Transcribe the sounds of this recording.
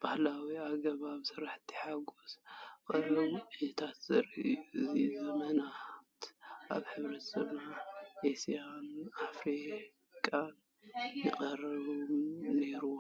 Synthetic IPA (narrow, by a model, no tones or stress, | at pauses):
b̥ahlawiaɡɐβaβsɨɾaħt̪ʰːi̥ħaɡoskʼɨrɐβuʕiɐt̪ʰat̪z̥ɐɾḭʔuɨzizɐmɐnat̪ʔa̰βħɨβɾɐt̪zɨmaʔesanafɾi | kʼan | jɪqʼɐrɐβumne̞ɾu